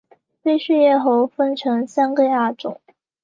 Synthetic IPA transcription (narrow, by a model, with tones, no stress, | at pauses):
t͡se˥˧ɪɕy˥˧jɛ˥˧xo˧˥ʊfə˥nʈ͡ʂʰɤ˧˥ŋsa˥nkə˥˧a˥˩ʈ͡ʂʊ̰˨˩˦ŋ